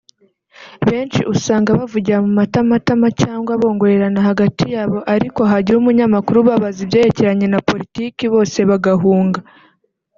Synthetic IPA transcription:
βe̞ːnt͡ʃiʔusaːŋɡaβavuɟiɾamumatamatamacaːŋɡwaβo̞ːŋɡo̞ɾe̞ɾanahaɡatijaːβo̞ʔaɾiko̞ɦaɟihumuɲamakuɾuβaβazibje̞ːɾece̞ɾaɲe̞napo̞ɾitiːkiβo̞ːse̞βaɡaɦuːŋɡa

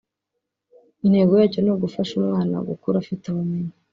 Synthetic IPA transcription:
inhe̞ːɡojaːconoɡufaʃumŋaːna̰ɡukuɾafitaβameɲa

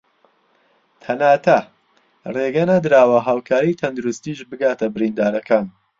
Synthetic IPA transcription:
t̪ʰɐnaːt̪ʰɐ | reɡɐnɐd̪ɨɾaːwɐɦaːwkʰaːɾijt̪ʰɐnd̪uɾust̪iʃbɨɡaːt̪ʰɐbɨɾind̪aːɾɐkaːn

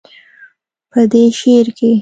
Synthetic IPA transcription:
pəd̪eʃeɾke

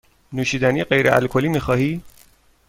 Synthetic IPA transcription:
nuːʃiːd̪æniːɢejɾeʔæ̰lkʰoliːmixɒːhiː

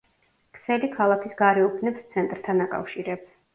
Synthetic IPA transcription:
kʰsɛlikʰalˠakʰisɡaɾɛupʰnɛpst̪sʰɛnt̪ʼɾt̪ʰanakʼa̰fʃiɾɛps

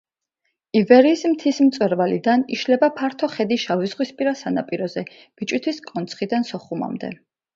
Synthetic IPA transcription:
ivɛɾiːsmt̪ʰism̩t̪sʼwɛɾvalid̪aniʃlɛbapʰaɾt̪ʰɔχɛd̪iʃavizʁwispʼiɾasana̰pʼiɾɔzɛ | b̥it͡ʃʼwit̪ʰwiskʼɔnt̪sʰχid̪ansɔχuma̰md̪ɛ̰

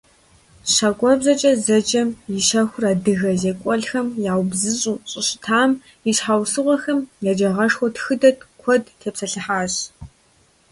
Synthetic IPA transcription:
ɕakʷʼɔbzɐt͡ʃʼɐzɐd͡ʒʼɐmjɪʃɐxʷʊraːdɨɣɐzeːkʷʼɔɮxɐmjaːwbzɨɕʼuːɕʼɪɕtʰaːm | iɕħawsɨʁʷɔxɐmjaːd͡ʒɐʁɐʂxʷɔtxɨdɐtkʷʰɔdtʰeːpsɐɬɨħaːɕ

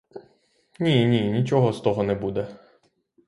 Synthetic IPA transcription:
nʲinʲinʲit͡ʃɔɦɔst̪ɔɦɔnɛbud̪ɛ

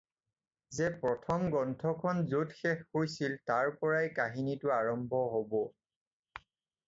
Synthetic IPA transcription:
zɛpɹɔtʰɔmɡɔntʰɔkʰɔnzotxɛxːojsiltaɹpɔɹajkaɦinitʊaɹɔmbʱɔɦobɔ

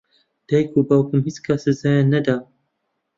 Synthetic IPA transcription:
d̪̥ajkʰubawkɨmhit͡skʰasɨzajanːɐd̪a

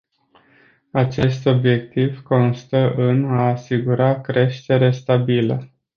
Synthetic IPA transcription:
at͡ʃe̞st̪o̞bje̞k̚t̪ivko̞nst̪əʔɨnaːsiɡuɾakɾe̞ʃt̪e̞ɾe̞st̪abilə

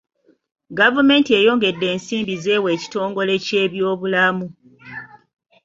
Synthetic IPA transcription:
ɡavume̞ːntie̞ːjo̞ːŋɡe̞dːe̞ːnsiːmbize̞ːwe̞ːci̥to̞ːŋɡo̞le̞ce̞ːβjo̞ːβulamu

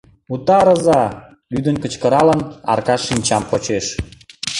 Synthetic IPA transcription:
ut̪ɑɾəzɑ | lyd̪ənkə̆t͡ɕkəɾɑlənɑ̰rkɑʃːinʲt͡ɕɑmpot͡ɕeʃ

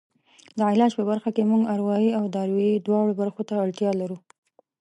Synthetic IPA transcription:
d̪əɪlɑd͡ʒpəbaɾxakemuɡaɾwɑjiawd̪ɑɾweid̪wɑɽobaɾxot̪aːɽt̪jɑlaɾu

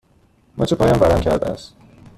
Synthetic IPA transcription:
mʔɒ̰ːt͡ʃʰepʰɒːjɒnvæɾæmcʰæ̰ɾd̪æ̰æ̰st̪

